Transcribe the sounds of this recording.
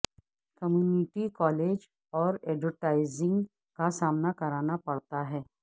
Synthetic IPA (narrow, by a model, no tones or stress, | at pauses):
kɐmjuːnɪʈikɔːleːd͡ʒ | ɔːɾɛːɖʋəɾʈaːɪzɪ̃ŋɡ | kasaːmnakɐɾaːnapɐɽt̪aɦɛː